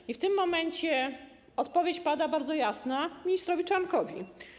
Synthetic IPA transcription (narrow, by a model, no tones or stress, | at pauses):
ift̪ɘmːɔmɛɲt͡ɕɛ | ɔt̪pɔvʲjet͡ɕpad̪abaɾd̪zɔjasnamʲiɲist̪ɾɔvʲit͡ʂankɔvʲḭ